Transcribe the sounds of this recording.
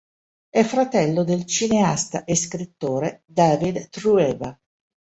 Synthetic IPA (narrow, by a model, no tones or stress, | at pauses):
ɛfɾat̪ɛlːod̪elt͡ʃineast̪aʔeskɾit̪ːoːɾed̪aːvid̪t̪ɾuɛːva